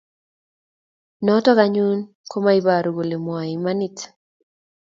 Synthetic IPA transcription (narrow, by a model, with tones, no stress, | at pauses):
nɔ˦tɔ˦ɡaɲu˦n | ko˦ma˦i˦ba˨ɾu˨ɡo˨le˨mwa˨i˨ma˦ni˨t